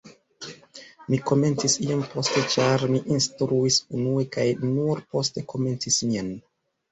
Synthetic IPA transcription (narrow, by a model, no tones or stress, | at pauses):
miko̞me̞nt͡sisiompo̞ste̞t͡ʃaɾmiʔinstɾuisunuekajnuɾpo̞ste̞kʰo̞me̞nt͡sismian